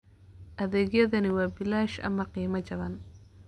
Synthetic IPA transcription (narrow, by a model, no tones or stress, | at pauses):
ʔɐðɛːɣjɐðɐnɪwɑːbɪlaːʃʔɐ̰mɐqiːmɐt͡ʃɐβɐn